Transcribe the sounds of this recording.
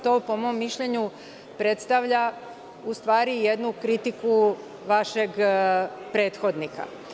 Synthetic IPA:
t̪o̞ːpo̞mo̞mːiʃʎeɲu | pɾe̞t̪st̪aʋʎa | ust̪ʋaːɾijed̪nukɾit̪iku | ʋaʃeɡ | pɾe̞ːt̪xo̞d̪nika̰

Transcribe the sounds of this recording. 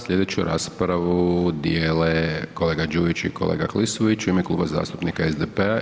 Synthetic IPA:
sʎʲe̞d̪et͡ɕuɾʔa̰ːspɾaʋud̪jeːleko̞le̞ːɡad͡ʒuːʋit͡ʃḭko̞lḛːɡaklisuʋit͡ʃuimeklˠṵːbaza̰ːst̪upnikaezd̪epea

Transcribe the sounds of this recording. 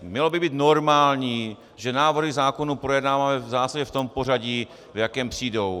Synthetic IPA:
mɲɛlobɪbiːt̪noɾmaːlɲiː | ʒɛnaːvrɦizaːkonuːpɾojɛdnaːvamɛvzaːsaɟɛft̪ompo̞r̝aɟiː | vjakɛːmpr̥iːdow

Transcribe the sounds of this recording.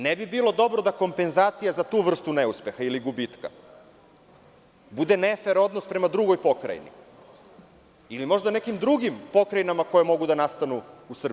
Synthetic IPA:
nebibiːlˠo̞d̪o̞bɾo̞d̪ako̞mpe̞nzaːt̪sijazat̪uːʋr̩st̪uneuspe̞xailiɡubit̪ka̰ | bud̪enefeɾo̞d̪no̞spɾe̞mad̪ɾuɡo̞jpo̞kɾa̰jnḭ | ilimo̞ʒd̪anekimd̪ɾuɡimpo̞kɾajnamako̞jemo̞ɡud̪anast̪anuːsr̩b

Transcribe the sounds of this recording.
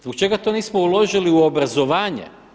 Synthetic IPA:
zbokt͡ʃe̞ɡat̪oniːsmoulˠo̞ʒiliuobɾazo̞ʋaːɲḛ

